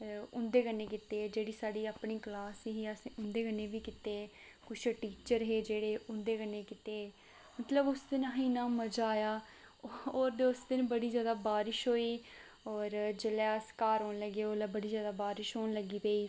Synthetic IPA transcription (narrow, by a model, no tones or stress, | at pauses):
ʊnd̪eːkənːeːkɪt̪eːd͡ʒeːɽiːsaːɖiːaːpɳiːklaːsɦiːəsʊnd̪eːkənːeːʋiːkɪt̪eː | kʊt͡ʃʰʈiːt͡ʃəɾɦeːd͡ʒeːɽeːʊ̃nd̪eːkənːeːkɪt̪eː | mət̪ləbʊsd̪ɪnaɦiːnãːməd͡ʒaːjaː | oːɾd̪eːʊsd̪ɪnbəɽiːzjaːd̪aːbaːɾɪʃɦoːiː | ɔːɾd͡ʒəlɛːəskaːɾɦoːnləɡeːoːlabəɽiːzjaːd̪aːbaːɾɪʃɦoːnləɡiːpeiː